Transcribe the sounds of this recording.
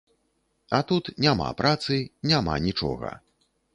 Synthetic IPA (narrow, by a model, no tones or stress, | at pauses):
ɐt̪ut̪nʲama̰pɾʔat̪sɨnʲama̰nʲit͡ʂɔ̰ɣɐ̰